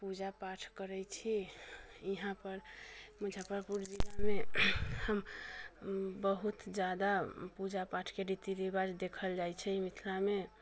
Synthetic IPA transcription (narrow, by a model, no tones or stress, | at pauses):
pud͡ʒapaʈʰkəɾɛt͡ʃʰi | iɦãpəɾməd͡ʒʱapəɾpuɾd͡ʒilamehəm | bəɦut̪d͡ʒad̪apud͡ʒapaʈʰkeɖit̪iɾibad͡ʒd̪ekʰəld͡ʒajt͡ʃʰɛimit̪ʰlame